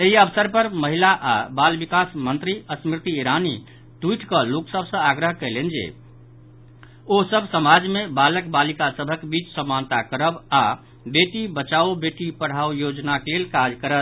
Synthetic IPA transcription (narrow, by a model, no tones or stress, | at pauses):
eɦiəbsəɾpəɾməɦilaʔabalbikasmənt̪ɾiəsmɾit̪iːɾani | ʈwiʈkəloksəbʱsə̃aɡɾəɦkəlend͡ʒḛ | osəbʱsəmad͡ʒmebaləkbalikasəbʱəkbit͡ʃsəmːant̪akəɾəba | beʈibət͡ʃaobeʈipəɽ̤aojod͡ʒnakelelkad͡ʒkəɾət̪